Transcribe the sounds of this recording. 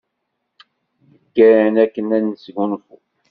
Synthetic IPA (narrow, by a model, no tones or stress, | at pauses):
əkːæɾnækːənænːəsɡunfu